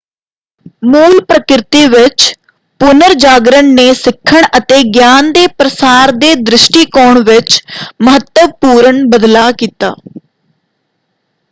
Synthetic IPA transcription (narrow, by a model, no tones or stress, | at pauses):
muːlpɾəkɾɪt̪iːʋɪt͡ʃ | pʊnəɾd͡ʒaːɡɾəɳneːsɪkʰːəɳət̪eːɡjaːnd̪eːpɾəsaːɾd̪eːd̪ɾɪʃʈiːkɔːɳʋɪt͡ʃməɦət̪ːəʋpuːɾəɳbəd̪laːkiːt̪a̰ː